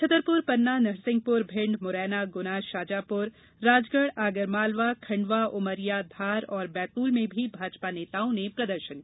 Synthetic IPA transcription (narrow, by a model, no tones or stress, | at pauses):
t͡ʃʰɐt̪əɾpʊɾpɐnːanɐɾsɪ̃ŋɡ̚pʊɾbʱɪ̃ɳɖmʊɾɛːnaɡʊnaːʃaːd͡ʒaːpʊɾː | aːd͡ʒɡəɽaːɡəɾmaːlʋakʰɐ̃ɳɖʋaʔʊməɾijad̪ʱaːɾɔːɾbɛːt̪uːlmẽbʱibʱaːd͡ʒpaneːt̪aːõnepɾɐd̪əɾʃəni